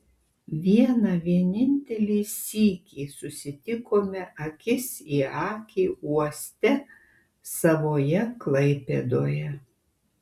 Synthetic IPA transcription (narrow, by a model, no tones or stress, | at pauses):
ʋʲiɛnɑʋʲiɛnʲɪnʲt̪ʲɛlʲiːsʲiːkʲiːsʊsʲɪt̪ʲɪkoːmʲɛʔɐkʲɪsiːɑːkʲiːuɔsʲt̪ʲɛ | sɐʋoːjɛklˠɐɪpʲɛd̪oːjɛ